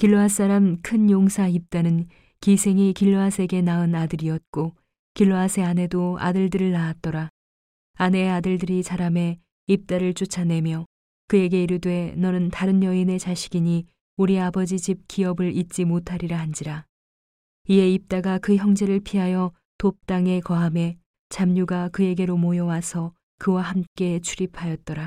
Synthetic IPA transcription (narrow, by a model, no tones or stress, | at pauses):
kiɭːoas͈aɾamkʰɯnjoŋsʰaip̚t͈anɯn | kisʰe̞ŋikiɭːoasʰe̞ɡe̞naɯnadɯɾiʌt̚k͈o | kiɭːoasʰe̞ane̞doa̰dɯɭdɯɾɯɭːaat̚t͈ʌɾa | ane̞adɯɭdɯɾisaɾame̞ | ip̚t͈aɾɯɭt͡ɕ͈ut͡ɕʰane̞mjʌ | kɯe̞ɡe̞iɾudwe̞nʌnɯntaɾɯnjʌine̞t͡ɕaɕʰi̥ɡiɲi | uɾiabʌd͡ʑit͡ɕip̚k͈iʌbɯɭit̚t͡ɕ͈imotʰaɾiɾahand͡ʑiɾa | ie̞ip̚t͈aɡakɯçjʌŋd͡ʑe̞ɾɯɭpʰiɦajʌ | top̚t͈aŋe̞kʌɦame̞ | t͡ɕamɲuɡakɯe̞ɡe̞ɾomojʌwasʰʌ | kɯwahamk͈e̞t͡ɕʰuɾipʰajʌt̚t͈ʌɾa